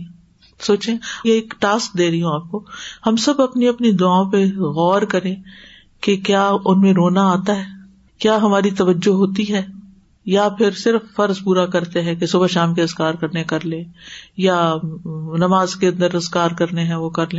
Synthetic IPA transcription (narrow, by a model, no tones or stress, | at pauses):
soːt͡ʃẽjeeːkʈaːsk̚d̪eːɾɐɦiũaːp̚kohɐmsɐbɐpniɐpnid̪ʊaːõpeɣɔːɾkɐɾẽ | kekjaːʊnmẽɾoːnaaːt̪aɦɛː | kjaːɦɐmaːɾit̪ɐʋəd͡ʒːoɦoːt̪iɦɛː | japʰɪɾsɪɾəfːɐɾzpuːɾakɐɾt̪eɦɛ̃kesuːbəʃaːmkeɐzkaːɾkɐɾnekɐɾlẽːja | nɐmaːzkeɐ̃nd̪əɾɐzkaːɾkɐɾneɦɛ̃ʋokɐɾlẽː